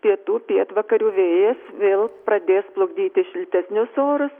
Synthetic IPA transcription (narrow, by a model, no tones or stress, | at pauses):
pʲiɛt̪uːpʲiɛt̪ʋɐkɐɾʲuːʋʲeːjɛsʋʲeːlˠprɐd̪ʲeːsplˠʊɡd̪ʲiːt̪ʲɪʃʲɪlʲt̪ʲæsʲnʲʊsoːɾʊs